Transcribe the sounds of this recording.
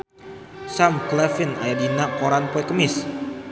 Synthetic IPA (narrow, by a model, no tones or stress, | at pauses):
samklɛfina̰jadinakoɾanpɔɛkəmɪs